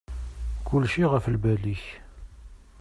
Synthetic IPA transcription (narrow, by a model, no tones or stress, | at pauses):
kʊlʃiʁəfəlbæliç